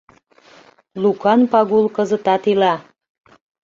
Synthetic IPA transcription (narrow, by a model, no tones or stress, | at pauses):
lukɑnpɑɣulkəzət̪ɑt̪ilɑ